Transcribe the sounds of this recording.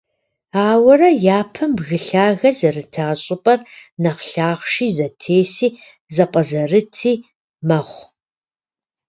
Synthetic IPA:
aːwɐrɐjaːpʰɐmbɣɨɬaːɣɐzɐrɨtʰaːɕʼɪpʼɐrnɐqɬaːχʷʂiːzɐtʰeːsiː | zɐqʷʼɐzɐrɨtʰiː | mɐχʷ

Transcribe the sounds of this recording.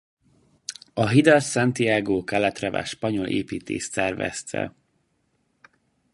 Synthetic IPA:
ɒɦid̪ɛlsɛnt̪iaːɡoːkɛlɛt̪rɛva̰ːʃpɒɲo̞lʔḛːpiːt̪ḛːʃt̪sɛrvɛ̰st̪ʰɛ̰

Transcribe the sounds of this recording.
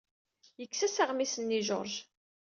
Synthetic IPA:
jəkːsæsəʁmisənːiʒo̰ɾˤʒ

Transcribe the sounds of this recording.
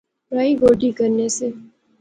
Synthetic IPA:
pɾaːiɡoːʈikəɾneseː

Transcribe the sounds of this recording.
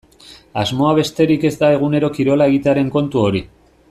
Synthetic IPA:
azmo̞aβ̞e̞st̪e̞ɾike̞zd̪ae̞ɣ̞une̞ɾo̞kiɾo̞laeɣit̪eaɾe̞ŋko̞nt̪uo̞ɾi

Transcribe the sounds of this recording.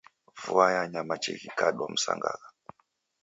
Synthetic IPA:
vuajaɲamat͡ʃiɣikaɗwam̩sa̰ŋɡa̰la

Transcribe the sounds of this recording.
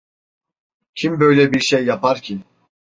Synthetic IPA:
cʰimbøjlʲɛbiɾʃejːapʰaɾcʰin

